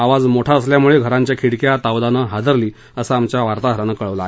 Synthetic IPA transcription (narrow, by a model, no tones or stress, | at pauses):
aʋad͡zmoʈʰaəsljamuɭeɡʱəɾaɲt͡ɕjakʰiɽkjat̪aʋd̪anəɦad̪əɾliː | əsaamt͡ɕjaʋaɾt̪aɡʱəɾanəkəɭəʋlaː